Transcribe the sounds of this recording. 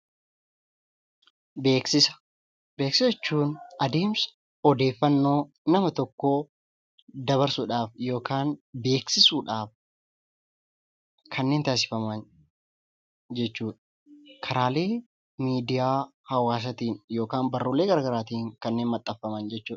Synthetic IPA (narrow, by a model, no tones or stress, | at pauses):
beːksɪsɐ̥ | be̞ːksɪsɛt͡ʃːuːnɐd̪eːms | ɔd̪e̞ːfːɐnːo̞ː | nɐmɐt̪ɔkːoː | d̪ɐβɐɾsuːᶑaːfjo̞ːkaːnbe̞ːksɪsuːᶑaːf | kʰɐnːe̞ːnt̪aːs̬ɪ̥fɐmɐn | d͡ʒɛt͡ʃːuːᶑ | kʰɐɾaːle̞ː | miːd̪ɪjaː | hɐwaːs̬ɐt̪iːnjo̞ːkaːnbɐrːuːle̞ːɡɐɾɐɡɐɾaːt̪iːŋkɐnːeːnmɐt̪ʼːɐfːɐmɐnd͡ʒɛt͡ʃːuːᶑɐ